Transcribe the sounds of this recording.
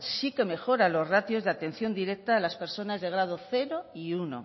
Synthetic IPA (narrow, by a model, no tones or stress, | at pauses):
sike̞me̞xo̞ɾalo̞zrat̪jo̞zðeat̪e̞n̟θjo̞nd̪iɾe̞k̚t̪aːlaspe̞ɾso̞nazðe̞ɣ̞ɾað̞oθe̞ɾoiuno̰